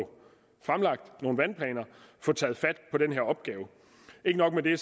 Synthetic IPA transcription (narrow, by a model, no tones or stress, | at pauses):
fʁamlɑ̈ɡ̥̚d̥no̝ːn̩ʋænpʰlɛ̰ːnɐfɔ̽ːt͡sʰɛːð̩ˠfæd̥pʰɒ̽d̥enɦeɐɒ̽b̥ɡ̥ɛːʊ | e̝ɡ̥ənɒ̽ɡ̥med̥e̝